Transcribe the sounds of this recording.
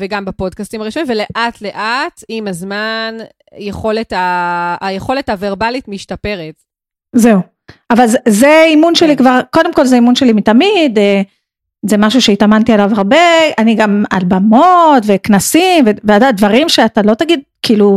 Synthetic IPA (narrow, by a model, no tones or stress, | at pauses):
veɡambapo̞d̚kast̪imaʁiʃomimvele̞ʔatleʔat̪imazman | jeχo̞letaːjeχo̞lethaveʁbalitmiʃtape̞ʁet | ze̞u | avalzzeimunʃelikvaʁko̞de̞mko̞lzeimunʃe̞limit̪amide | zemaʃuʃe̞itamant̪ialavaʁbe̞aniɡama̰lbamotve̞knasimveveadadvaʁimʃeatalo̞t̪aɡid̪̚kiːlu